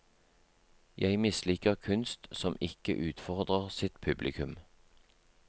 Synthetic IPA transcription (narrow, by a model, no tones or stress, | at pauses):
jæɪmɪsliːkəʁkʰʉnst̪sɔmɪkə̰ʔʉːt̪fɔʁd̪ʁəʁsɪt̪pʰʉblɪkʰʉm